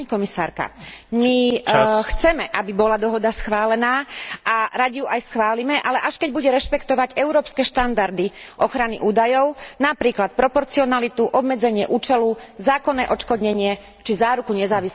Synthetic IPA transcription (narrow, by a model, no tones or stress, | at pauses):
ɲkɔmisaːɾka̰mixt͡sɛmɛʔabibɔlad̪ɔɦɔd̪asxʋaːlɛnaːʔaɾaɟiɦuʔajsxʋaːlimɛʔalɛʔaʃkɛɟbuɟɛɾɛʃpɛkt̪ɔʋaɟɛʊɾɔːpskɛʃt̪and̪aɾd̪iʔɔxɾaniʔuːd̪ajɔʊnapɾiːklat̪̚pɾɔpɔɾt͡siɔnalit̪uʔɔbmɛd͡zɛɲɪɛʔuːt͡ʃɛluzaːkɔnːɛːʔɔt͡ʃkɔd̪ɲɛɲɪɛ | t͡ʃizaːɾukuɲɛzaːʋis